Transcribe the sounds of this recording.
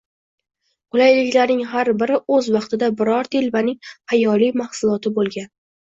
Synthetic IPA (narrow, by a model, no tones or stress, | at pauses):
qʰʊlajlɪkʲlaɾnɪŋɦaɾbɪɾɪʔɵzvɑqt̪ɪd̪abɪɾɒɾt̪ʰelbanɪŋhajɒlijmahsʊlˠɒt̪ʰɪbolˠɡʲan